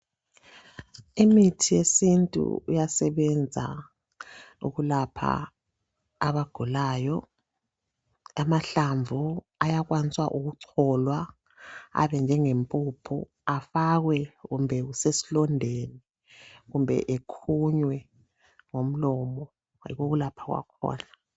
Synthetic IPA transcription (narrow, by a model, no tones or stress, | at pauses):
imitʰijesintʼṵṵjasɛβɛnd͡zʱa̰ | ṵɣulapʰa̰ | βaɡ̥ʱulaːjɔ | amaɬaɱvʱu | ajaɣwanit͡sʼwa̰ʔuɣuǀʰɔːlwa | a̰βɛnd͡ʒʱɛŋempʼuːpʰṵ | afaɣwɛɣumbʱɛɣusesi̥lɔndʱeni | ɣumbʱɛ̰ʔekʰuɲwɛ | ŋom̩lɔmɔ | ḭɣoɣulapʰaɣwa̰kʰɔ̰ːna